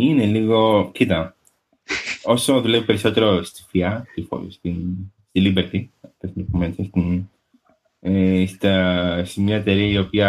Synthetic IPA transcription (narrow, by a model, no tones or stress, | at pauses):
ine̞liɣo̞cit̪ɐ | o̞so̞ðule̞vipeɾiso̞t̪e̞ɾo̞st̪i̥fiɐst̪ifo̰st̪inst̪ilibeɾt̪iɐft̪esnd̪opumensest̪in | est̪ɐsemɲɐet̪eɾiɐio̞piɐ